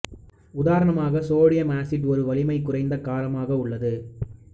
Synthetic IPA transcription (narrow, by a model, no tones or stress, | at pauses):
ʊðaːɾɐɳɐmaːɣɐsoːɽɪjɐmaːsɪʈɔɾɯʋɐɭɪmɐɪkːʊrɐɪnd̪ɐkaːlɐmaːɣɐʊɭːɐðɯ